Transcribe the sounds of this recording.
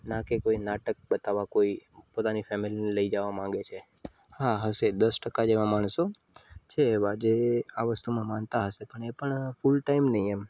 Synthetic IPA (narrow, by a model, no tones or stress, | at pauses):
nakekoinaʈək̚bət̪aʋakoipot̪anifɛmililəid͡ʒəʋamãŋɡet͡ʃʰe | ɦaɦəsed̪əsʈəkad͡ʒeʋãmaɳ̃sot͡ʃʰeːʋad͡ʒeaʋəst̪umãmãnt̪aɦəsepəɳepəɳfulʈaimnəɦiem